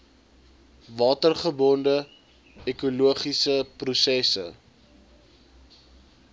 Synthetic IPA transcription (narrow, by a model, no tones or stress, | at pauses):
vɑːtərχəbɔndə | ekuluəχisəprusɛsə̰